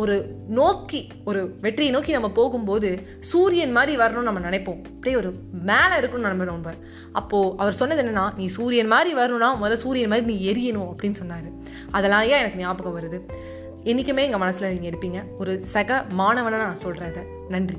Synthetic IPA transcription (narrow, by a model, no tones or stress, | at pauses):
ɔɾɯnoːkːi | ɔɾɯʋɛʈːrɪjɐnoːkinɐmːɐpoːɣɯmpoːðɯ | suːɾɪjɐnmaːd̪ɾiʋɐɾɐɳʊ̃nɐmːɐnɪnɐɪpːõːɐpːɐɽeːɔɾɯmeːlɐ̃ɪɾɯkːɯɳʊ̃nɐnɐmbɐɽoːɳbɐɾ | ʔɐpːoːʔɐʋɐɾsɔnːɐðɛnːɐnːãːnĩːsuːɾɪjɐnmaːd̪ɾiʋɐɾɐnʊ̃nːaːmɔðɐlɐsuːɾɪjɐnmaːd̪ɾinĩːɛɾɪjɐnʊ̃ɐpːɐɽɪnːɯsɔnːaːɾɯ | ɐðɛlːãːjãːɛnɐkːɯnjaːbɯkːɐ̃ʋɐɾɯðɯ | ɛnːɪkːɯmeːɪŋɡɐmɐnɐsːɯlɐniːŋɡɐɛɽɯpːiːŋɡɐ | ɔɾɯsɐɣɐmaːnɐʋɐnanaːnãːsɔlɾaːðɐ | nɐɳdri